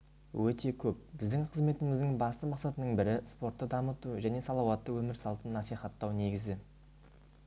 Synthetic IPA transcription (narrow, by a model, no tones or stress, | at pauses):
wɵt̪e̞kʲʰɵp̚bɪzd̪ɪŋqʰəzme̞t̪ɪmɪzd̪ɪŋbɑst̪əmɑqsɑt̪ənəɴbɪɾɪspo̞ɾt̪ːəd̪ɑmət̪uʒæne̞sɑlˠɑwɑt̪ːəwɵmɪɾsɑlˠt̪ənːɑsiχɑt̪ːɑwne̞ɡʲɪzɪ